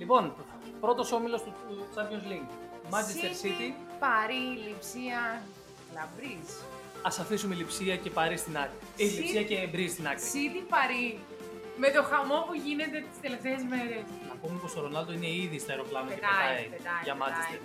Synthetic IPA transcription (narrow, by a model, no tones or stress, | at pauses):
lipo̞n | pɾo̞t̪o̞so̞milo̞st̪uut͡sɐjozliŋ | mɐzesst̪esit̪ipɐɾilipsiɐ | lɐbɾis | ɐsɐfisumelipsiɐce̞pɐɾist̪inɐkt̪iilisiɐcebɾist̪inɐk̪isit̪ipɐɾi | me̞t̪o̞xɐmo̞puʝine̞t̪e̞t̪i̥st̪eleft̪e̞ːzme̞ɾe̞s | nɐpumepo̞st̪oɾo̞nɐld̪o̞ine̞iðist̪ɐeɾo̞klɐmɐecet̪eɐipet̪ɐʝɐmɐzise